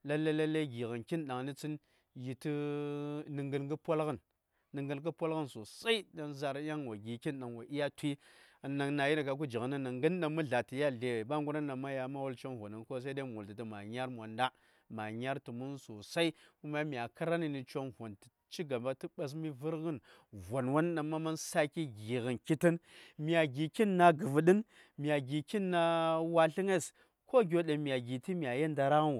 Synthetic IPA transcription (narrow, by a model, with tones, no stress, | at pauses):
la˦lːa˦la˦la˦ɡi˨ɣə˨nki˦nɗa˨ŋni˦t͡si˦n | ji˨ti˦ | nɨ˨ŋɡə˦nɡɨ˦po˦lɣə˦nː | ɨ˨ŋɡə˨nk̬ə˦pʷo˦lɣə˦nso˨sa˦i˦ɗa˨nza˨ɾa˦ŋwa˨ɡʲi˨ki˦nɗa˨ŋwa˨ʔi˦ja˦twi˦a˨na˨ŋna˨ji˦ni˨ka˨k̬u˦d͡ʒi˨ɣə˨na˦nːa˨ŋɡə˦n˦na˨mu˦ɮa˨ti˨ja˦ɮe˨wba˦ŋɡu˦na˦nːa˨ma˦ja˨ma˦wu˦lt͡ʃo˦nɦo˨ni˨nko˦s̬a˦da˦mu˨lti˨ti˨ma˨ɲa˦ɾm˨a˨nda˦ | ma˨ɲa˦ɾti˨mu˦nso˨sa˦i˦ku˦ma˦m˨a˨ka˦ɾa˦ni˨ni˨t͡ʃo˦nvo˨nti̥˨ | t͡ʃi˦ɡa˨mba˦ti˦ɓa˦s̬mi˦vi˦ɾɣə˦n | vo˨nwa˦n˦na˨ma˦ma˦nsa˦ki˦ɡi˨ɣə˨nki˦ti˦nmi˨a˨ɡi˨ki˦nːa˨ɡə˨və˨ɗi˦n | mi˨a˨ɡi˨ki˦nːa˦wa˦ɬi˦ŋe˦s | ko˦ɡʲo˦ɗe˨mi˨a˨ɡi˨ti˦mi˨a˨je˦nda˨ɾa˦ɣnw